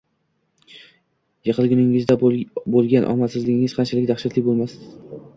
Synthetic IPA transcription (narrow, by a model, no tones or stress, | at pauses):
jɨqʰɨlˠɡʲʊnɪŋɪzd̪abolˠɡʲanʔɒ̰masɪzlɪɡʲɪŋɪz̥qʰɑnt͡ʃʰalɪkʲd̪aχʃɪt̪lɪbolˠmasɪ̥